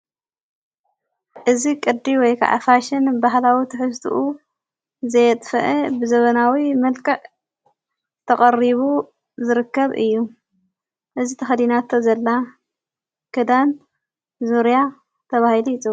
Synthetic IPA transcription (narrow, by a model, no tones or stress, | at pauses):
ʔɨzikʼɨd̪ːiwɔjkʰa̰ʕa̰faʃɪnbaɦlawit̪ʰɨħɨst̪ʰṵʔu | zɐjɛt̪ʼfɐ̰ʔebɨzɐβɐnawimɐlkʼɐʕ | t̪ʰɐχʼɐriβu | zɨɾɨkːɐβʔɨ̰jːu | ʔɨzit̪ʰɐxɐd̪inat̪ʰːozɐlːa | kʰɨd̪an | zuɾja | t̪ʰɐβahilit͡sʼu